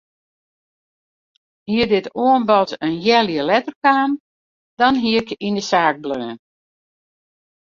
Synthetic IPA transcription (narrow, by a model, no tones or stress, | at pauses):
hiədɪtoənbɔtənjɛljəlɛtərkaːn | d̥ɔnɦiəkindəsaːɡ̚bløːə